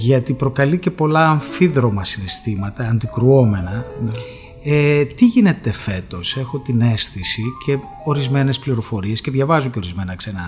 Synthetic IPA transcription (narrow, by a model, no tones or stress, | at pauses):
ʝɐt̪ipɾo̞kɐlice̞po̞lɐːɱfiðɾo̞mɐsinest̪imɐt̪ɐːnd̪ikɾuo̞me̞nɐ | et̪iʝine̞t̪e̞fe̞t̪o̞se̞xo̞t̪ine̞sθisicʰe̞ | o̞ɾizme̞ne̞spliɾo̞fo̞ɾiesce̞ðʝɐvɐzuɲce̞o̞ɾizme̞nɐksenɐ